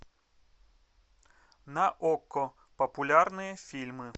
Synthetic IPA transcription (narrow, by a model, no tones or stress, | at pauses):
nɐʔɔkːɔ | pəpʊlʲarnɨjəfʲilʲmɨ